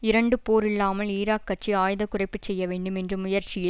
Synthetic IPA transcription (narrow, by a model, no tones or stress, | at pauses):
ɪɾɐɳɖɯpoːɾɪɭːaːmɐliːɾaːkːɐʈt͡ʃiaːjðɐkʊrɐɪpːɯt͡ʃsɛjːɐʋeːɳɖɯmɛndrɯmʊjɐɾt͡ʃɪjɪ